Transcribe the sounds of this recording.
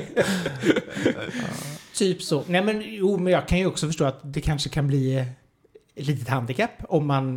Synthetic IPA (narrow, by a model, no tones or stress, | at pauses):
t̪ʰyːpsoːnɛmɛnjuːmɛnjɑːɡkʰanjɵɔksɔfœʂʈoːat̪d̪ɛkʰanʂəkʰanbliː | liːt̪ət̪hand̪ɪkʰapːɔmːan